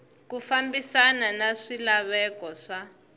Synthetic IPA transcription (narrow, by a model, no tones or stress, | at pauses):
kufambisananaʂilaβɛkɔʂa